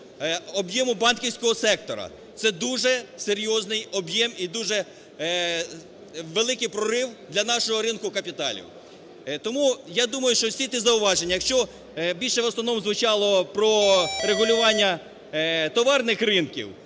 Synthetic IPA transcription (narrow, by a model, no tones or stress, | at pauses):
ɔbjɛmʊbɑnkʲiwsʲkɔɦɔsɛk̚t̪ɔɾɐ̰ | t̪sɛd̪uʒɛseɾʲjɔznɪjɔbjɛmid̪uʒɛ | ʋelˠɪkɪjpɾɔɾɪwd̪lʲɐnɑʃɔɦɔɾɪnkʊkɐpʲit̪ɑ̰lʲḭw | t̪ɔmujad̪umɐjʊʃt͡ʃɔsʲit̪ɪzɐʊʋɑʒenʲːɐjɐkʃt͡ʃɔ | bʲilʲʃɛʋɔsnɔʋnɔmzʋʊt͡ʃɑlˠɔpɾɔɾeɦʊlʲʊʋɑnʲːɐ | t̪ɔʋɑrnɪxrɪnkʲḭw